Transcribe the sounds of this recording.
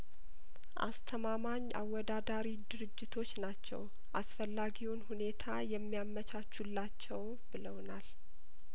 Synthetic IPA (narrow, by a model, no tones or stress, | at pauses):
ʔa̰st̪ʰəmamaɲːʔa̰wːɔd̪ad̪aɾid̪ɨɾɨd͡ʒːɪt̪ʰo̞t͡ʃːnat͡ʃːɛ̰w | ʔasfəlːaɡiwonhune̞t̪ʰajɛmːijamːət͡ʃʰat͡ʃːulːat͡ʃːɛw | bɨləwnal